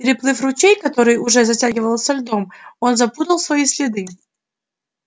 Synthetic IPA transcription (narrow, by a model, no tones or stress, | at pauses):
pʲɪɾʲɪplˠɨfrʊt͡ɕejkɐt̪o̞ɾɨjʊʐɛzɐtʲaɡʲɪvəlˠsʲɐlʲd̪o̞mo̞nzɐpud̪əlˠsvɐisʲlʲɪd̪ɨ